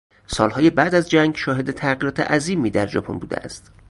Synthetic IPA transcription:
sɒːlhɒːjebæʔd̪æzd͡ʒæŋɡʃɒːɦe̞d̪e̞t̪ʰæɣiːɾɒːt̪ʰḛʔæziːmiːd̪æɾd͡ʒɒ̰ːpʰo̞̰nbṵːd̪ḛʔæ̰st̪

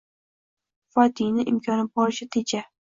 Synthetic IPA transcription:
fɒt̪ʰinɪʔɪmkʲʰɒnɪbɒɾɪʃɪt̪ʰet͡ʃʰa

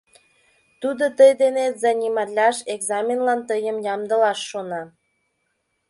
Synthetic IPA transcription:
t̪ud̪ot̪əjd̪enezɑnʲimɑlʲɑʃeɡzɑmʲenlɑnt̪əjəmjɑmd̪əlɑʃːonɑ

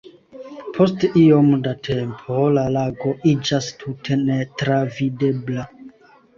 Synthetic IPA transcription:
pʰostiomdatʰempʰolalaɡo̞ʔid͡ʒastʰutʰe̞netɾavidebla

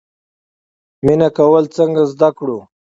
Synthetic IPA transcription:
minakawəlt͡səŋɡazd̪akɽu

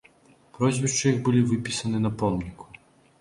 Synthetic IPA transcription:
pɾɔzʲvʲɛʂt͡ʂɨjiɣbɨlʲivɨpʲisɐnɨnɐpɔmnʲikʰu̥

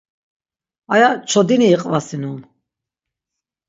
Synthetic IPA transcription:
ajat͡ʃʰɔd̪iniːqʼvasinun

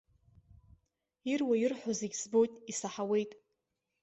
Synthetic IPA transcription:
irwajirħʷozeɡʲzbo̞jtʼisaħawe̞jtʼ

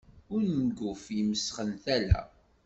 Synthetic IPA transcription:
ʊɾnəɡʊfjəməsχənθælæ̰

